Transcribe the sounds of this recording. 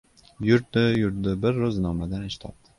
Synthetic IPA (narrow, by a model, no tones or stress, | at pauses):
jʊɾd̪ɪjʊɾd̪ɪbɪɾːʊznɒmlad̪anɪʃt̪ʰɒ̰p̚d̪̥ɪ̥